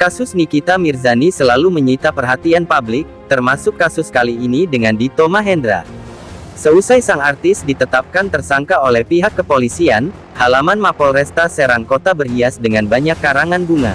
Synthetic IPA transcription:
kasʊsnikit̪amirzanisəlaluməɲit̪apərɦat̪ianpablɪk̚t̪ərmasʊkːasʊskaliːnidəŋandit̪omaɦɛndɾa̰ | səusajsaŋart̪ɪsdit̪ət̪ap̚kant̪ərsaŋkaolɛhpiɦakːəpolisian | halamanmapɔlrɛst̪asəɾaŋkot̪abərhiasdəŋanbaɲakːaɾaŋanbuŋa̰

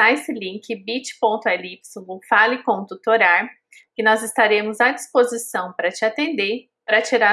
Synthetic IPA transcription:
aesɪlĩkɪbit͡ʃɪ̥põnt̪ʊɛlipsũufalɪkõt̪ut̪oɾaɾ | kɪnɔzɪst̪aɾẽmʊzad͡ʒispozisɐ̃w̃pɾɐt͡ʃɪat̪ẽnd̪e | pɾɐt͡ʃiɾa

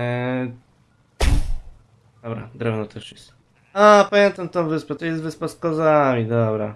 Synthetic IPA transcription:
d̪ɔbɾa̰d̪ɾɛvnɔt̪ɛʂjɛst̪ | apamʲjɛnt̪amt̪ɔ̃vɘspɛt̪ɔjɛst̪vɘspaskɔzamʲid̪ɔbɾa

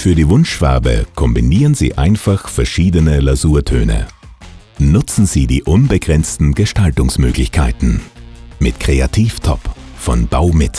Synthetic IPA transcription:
fyːɐdiːvʊnʃv̥ɛɐbə̰kʰɔmbiniːʁənzḭːʔa̰ɪnfaχfɛɐʃiːdənəlazuːɐtʰø̰ːnə̰ | nʊt͡sn̩ziːdiːʔʊnbəɡʁɛnt͡stn̩ɡəʃtaltʊŋsmøːɡlɪçkʰaɪtn̩mɪtkʁ̥eatʰiːftʰɔ̰pfɔnb̥aʊmɪt

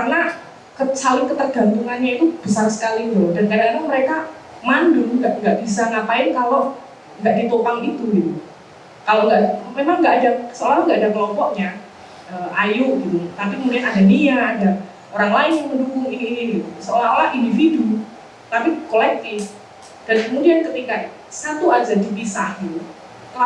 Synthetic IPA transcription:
karəna | kəsalɪŋkət̪ərɡant̪uŋanɲait̪ub̥əsarsə̥kalid̪ʊhdankadakanaməɾeka | mandʊlŋɡaʔŋɡaʔbisaŋapaɪnkaloʔ | ŋɡaʔdit̪opaŋit̪uɡit̪u | kaloŋɡaʔmemaŋːɡaʔadasəolaɾaŋɡaʔadakəlɔmpɔʔɲa | əʔajuʔɡit̪ut̪ap̬ikəmudianadadiaːda | oɾaŋlaɪnjaŋmədukʊŋiniːniɡit̪usəolaholahindifidu | t̪apikolɛk̚t̪ɪf | d̥ankəmudiankət̪ika | sat̪uadadipisahɡit̪u | kəla

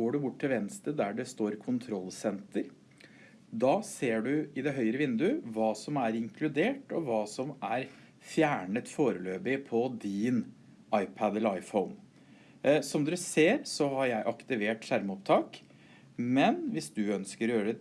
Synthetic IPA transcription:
oːɖʉbʊʈ̚ːt̪ʰɪlʋɛnst̪əd̪æɖɛst̪oːɾkʰʊnt̪ʰɾɔlːsɛnt̪əɾ | d̪ɑːseːɖʉɪd̪ɛɦœʏɾəʋɪnd̪ʉʋɑːsɔmæɾɪŋkʰlʉd̪eːʈɔʋɑːsɔmæɾ | fjæːɳət̪foːɾəløːbɪpʰɔd̪ɪn | ɑɪpʰæd̪ɛləɾɑɪfɔʊn | sɔmd̪ʉseːɾsɔhɑɾjæɪʔɑkt̪ɪʋeːʈʂæɾmɔpt̪ʰɑːk | mɛnʋɪsd̪ʉœnskəɾjøːɾə

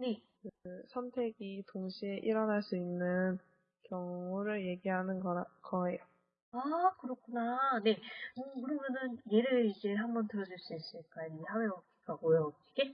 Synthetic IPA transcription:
ne̞kɯsʰʌntʰe̞ɡitoŋɕʰie̞ʔiɾʌnɦaɭs͈uinːɯn | kjʌŋuɾɯɭje̞ɡiɦanɯnɡʌakʌɦe̞jo | akɯɾʌkʰunane̞okɯɾʌmjʌnɯnje̞ɾɯɭid͡ʑe̞ɦambʌntɯɾʌd͡ʑuɭs͈uis͈ɯɭk͈ainimsʰawe̞ʌk͈ʰik͈aɡojoiɡe

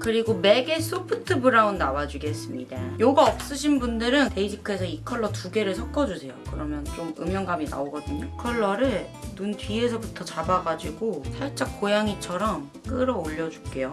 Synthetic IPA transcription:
kɯɾiɡome̞ɡes͈opʰɯtʰɯbɯɾaunːawad͡ʑiɡe̞s͈ɯmɲḭda̰joɡaʌp̚s͈ɯɕʰinbundɯɾɯnte̞id͡ʑʰikʰɯesʰʌikʰʌɭːʌtuɡe̞ɾɯɭsʰʌk̚k͈ʌd͡ʑusʰe̞jokɯɾʌmjʌnt͡ɕomɯ̰mjʌŋɡamina̰oɡʌdɯɲokʰʌɭːʌɾɯɭ | nuntɥie̞s̬ʰʌbutʰʌt͡ɕabaɡad͡ʑiɡosʰaɭt͡ɕ͈ak͈ojaŋit͡ɕʰʌɾʌm | k͈ɯɾʌoʎːʌd͡ʑu̥k͈e̞jo

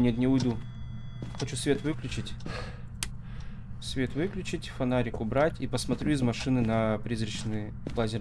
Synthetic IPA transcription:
nʲet̪nʲɪʊjd̪u | xɐt͡ɕusvʲet̪vɨklʲʉt͡ɕɪtʲ | svʲe̞t̪vɨklʲʉt͡ɕɪtʲfɐnaɾʲɪkʊbɾatʲipəsmɐt̪ɾʲuɪzmɐʂɨnɨnɐpɾʲizrʲəɕnɨj | plˠazʲɪ

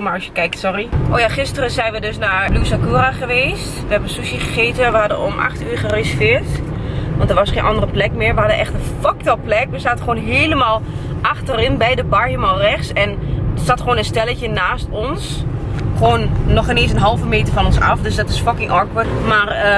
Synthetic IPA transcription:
maɹɔsjəkɛjk̚tsɔriʔo̰ːjaχɪstərəzɛjnʋədøsnaɹlusakuːraχəʋeːstʋəɛbənsusiχəχeːtəʋəhɑdəɔ̰mʔa̰xtyːχəresəfɪːɹt | ʋɑntdəʋɔsχeːnʔɑndərəplɛkmɪːɹʋəhɑdəʔɛxtənfɔk̚tɔlˠplɛkʋəsaːtəχʋoːnɦeːləmaːlˠʔaxtərɪnbɛjdəbaɹjəmalˠrɛχsɛnsatχʋoːnənstɛləcənaːstɔns | xoːnːɔχəneːnsənɦɑlˠvəmeːtəɹfɔnɔnsɑ̰fdøsdɔtɪsfɔkɪŋʔɔɹkʋətmar

